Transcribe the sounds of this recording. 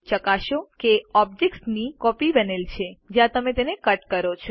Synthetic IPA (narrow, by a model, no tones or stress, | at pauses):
t͡ʃəkaʃokeɔbd͡ʒeksnikɔpibənelt͡ʃʰed͡ʒjãt̪əmet̪enekəʈkəɾot͡ʃʰo